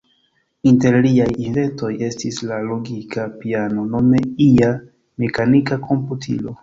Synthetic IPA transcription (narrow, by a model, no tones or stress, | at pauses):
inte̞ɾliajinve̞nto̞je̞stislaloɡikapiano̞no̞me̞ia | me̞kanikakʰo̞mputʰḭlo̞